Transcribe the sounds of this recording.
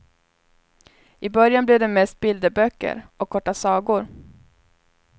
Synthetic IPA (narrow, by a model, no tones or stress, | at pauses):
ʔɪbœɾjanblɛvd̪ɛmɛst̪̚bɪld̪əbœkːə̰ɾɔkʰːɔʈːasɑːɡʊɾ